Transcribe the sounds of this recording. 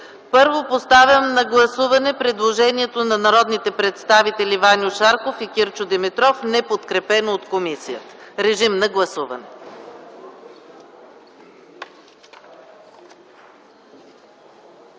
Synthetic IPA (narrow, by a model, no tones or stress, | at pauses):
pɤɾvopost̪avʲɐmnɐɡlˠɐsuvɐnɛpɾɛd̪lˠoʒɛniɛt̪onɐnɐɾɔd̪nit̪ɛpɾɛt̪st̪avit̪ɛlʲivanʲʊʃaɾkofikʲiɾt͡ʃʊd̪ɛmɛt̪ɾɔfnɛpot̪kɾɛpɛnoːt̪komisijət̪ə̥ɾɛʒimnɐɡlˠɐsuvɐ̰nɛ